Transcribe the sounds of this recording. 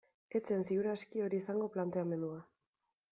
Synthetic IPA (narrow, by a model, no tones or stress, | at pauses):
e̞t͡sensiɣuɾaskio̞ɾiːsaŋɡo̞plant̪e̞ame̞nd̪ua